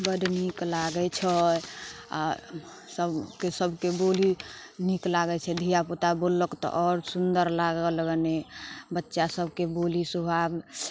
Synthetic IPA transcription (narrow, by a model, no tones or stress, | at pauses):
bəd̪niklaɡɛt͡ʃʰɛ | a̰ | səbkesəbʱkeboli | niklaɡɛt͡ʃʰɛd̪ʱijapot̪abolːəkt̪ɔ̰ʔɔɾsund̪əɾlaɡəlɡnebətːʃasəbʱkebolisubʱab